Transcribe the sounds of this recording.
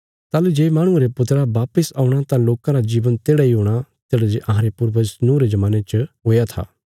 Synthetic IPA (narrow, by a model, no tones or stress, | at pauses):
t̪aːled͡ʒeːmaːɽ̃ʊ̃eɾepʊt̪ɾabaːpəsaːuɽ̃at̪ãloːkãɾad͡ʒiːʋənt̪eːɽaiɦoːɽ̃at̪eːɽad͡ʒeʔɐ̃ɦãɾepʊɾʋəsnũːɾed͡ʒɐmaːnet͡ʃəɦoːjat̪ʰa̰ː